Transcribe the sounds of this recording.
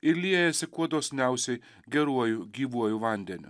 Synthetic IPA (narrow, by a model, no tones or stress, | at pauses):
ɪɾlʲiɛjɛsʲɪkuɔd̪oːsʲnʲæˑʊsʲɛɪ | ɡʲɛɾuɔjuɡʲiːʋuɔjʊʋɐnʲd̪ʲɛnʲʊ̰